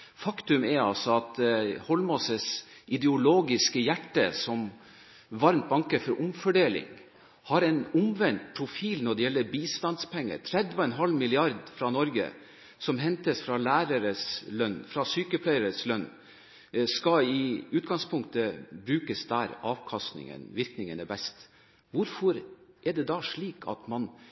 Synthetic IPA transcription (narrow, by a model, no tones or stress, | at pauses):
fɑkt̪ʉmɛɾɑ̰lsɔɑt̪hɔlmɔsəsʔɪd̪ɛʊloːɡɪskəjæʈːəsɔm | ʋɑɾmt̪̚bɑŋkəfɔɾʔʊmfɔɖeːlɪ̰ŋ | hɑɾɛnʊmʋɛnt̪̚pʰɾʊfiːlnɔɖɛjɛlːəɾbiːst̪ɑnspʰɛŋːə̰ɾt̪ʰɾɛd̪ɔɛnɦɑlmɪlɪɑɾd̪fɾɑnɔɾɡə̰ | sɔmɦɛnt̪əsfɾɑlæːɾəɾəslœnːfɾɑsyːkəpʰlæɪəɾəslœnː | skɑɪʉːt̪̚ɡɑŋspʰʊŋkt̪əbɾʉːkəsd̪æɾɑːʋkʰɑst̪nɪ̰ŋə̰nʋɪɾknɪŋənəbɛst̪ | ʋʊɾfɔɾʔɛɖɛd̪ɑʂɭiːkʰɑ̰t̪mɑn